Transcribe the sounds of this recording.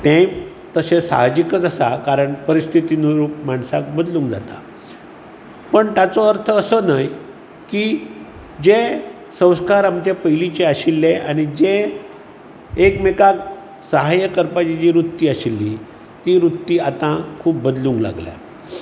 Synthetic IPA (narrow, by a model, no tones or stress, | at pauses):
t̪ẽ | t̪əsesa̰ɦd͡ʑikət͡sasakaɾəɳpəɾist̪ʰit̪inəɾuːpmaɳsak̚bəd̪lũːŋkd͡za̰t̪a̰ | pəɳt̪jat͡sɔəɾt̪ʰəːsənaj | kiː | d͡ʑe | sə̃w̃skaɾamt͡ɕepəjlit͡ɕeaɕilːeanid͡ʑe | kmekak | səɦajəkəɾpat͡ɕid͡ʑiːɾut̪ːiːaɕilːi | t̪iɾut̪ːiːat̪ãkʰuːpbəd̪lũŋkla̰ɡlja̰